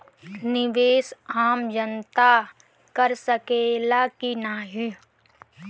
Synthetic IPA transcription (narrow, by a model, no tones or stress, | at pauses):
nɪʋeːsaːmd͡ʒənt̪a | kəɾsəkeːlakinaːɦi